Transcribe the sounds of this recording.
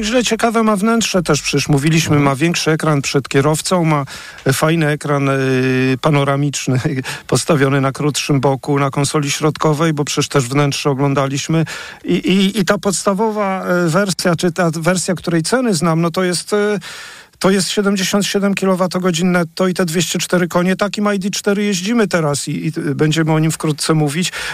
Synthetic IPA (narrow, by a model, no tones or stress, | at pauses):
ʑlɛt͡ɕɛkavɛmavnɛntʂɛt̪ɛʂpʂɛɛʂmuvʲilʲiɕmɘmavʲjɛŋkʂɘɛkɾanpʂɛt̪kʲɛɾɔft̪sɔ̃w̃ma | fajnɘɛkɾanpanɔɾamʲit͡ʂnɘpɔt̪st̪avʲjɔnɘnakɾut̪ʂɘmbɔkunakɔnsɔlʲiɕɾɔt̪kɔvɛjbɔpʂɛʂt̪ɛʐvnɛntʂɛɔɡlɔnd̪alʲiɕmɘ | iʔiːt̪apɔt̪st̪avɔvavɛɾsʲjat͡ʂɘt̪avɛɾsʲjakt̪uɾɛjt̪sɛnɘznamnɔt̪ɔjɛst̪ | t̪ːɔjɛst̪ɕɛd̪ɛmd͡ʑeɕɔnt̪ɕɛd̪ɛmkʲilɔvat̪ɔɡɔd͡ʑinːɛt̪ɔit̪ɛd̪vʲjeɕt͡ɕɛt͡ʂt̪ɛɾɘkɔɲɛt̪akʲimajd̪it͡ʂt̪ɛɾɘjeʑd͡ʑimɘt̪ɛɾasiːbɛɲd͡ʑɛmɘɔɲimfkɾut̪̚t̪sɛmuvʲit͡ɕ